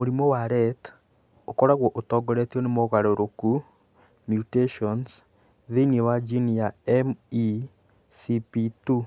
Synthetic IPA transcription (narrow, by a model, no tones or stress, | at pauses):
moɾimɔwaɾɛt | okɔɾaɣwɔʔotɔɡɔɾetiɔnemoɣaɾoɾoku | mjuteʃɔns | ðiniewad͡ʒiniaɛmi | sipitu